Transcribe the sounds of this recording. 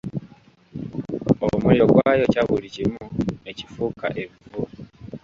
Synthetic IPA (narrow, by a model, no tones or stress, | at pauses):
omuioɡwaːjocaβuɾicimuecifuka̰ʔevvu